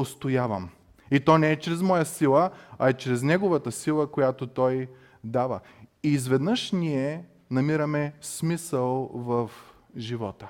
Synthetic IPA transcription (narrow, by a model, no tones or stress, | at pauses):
ost̪ojavə̰m | it̪ɔnɛɛt͡ʃɾɛzmɔjəsilˠəɐɛt͡ʃɾɛznɛɡovət̪əsilˠəkojat̪ot̪ɔj | d̪avə̰ | izvɛd̪nəʃniɛ | nɐmiɾəmɛsmisəlˠvɐf | ʒivɔt̪ə